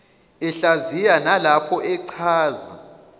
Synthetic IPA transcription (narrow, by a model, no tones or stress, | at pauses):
ɛɬazijanalapʰɔʔɛǀʰaːza